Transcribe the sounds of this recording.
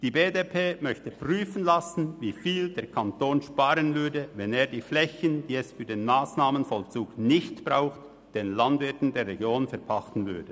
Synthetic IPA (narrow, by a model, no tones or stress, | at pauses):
d̥iːbeːdepʰeːmœçtəpʁ̥yːfən̩lasn̩viːfiːldeːɐkʰantoːnʃpaːɾənvʏɐdəvɛneːɐdiːflɛçənd̥iːɛsfyːdeːnmaːsnaːmənfɔlt͡suːknɪçtb̥ʁaʊxt | d̥eːnlandvɪɐtn̩deːɾːeɡjoːnfɛɐpʰaχtn̩vʏ̰ɐdə